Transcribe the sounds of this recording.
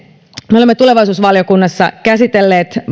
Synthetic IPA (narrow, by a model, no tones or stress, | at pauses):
meolemːet̪uleʋɑjsuːsʋɑljo̞kunːɑsːɑ̰kæsit̪elːe̞ːt̪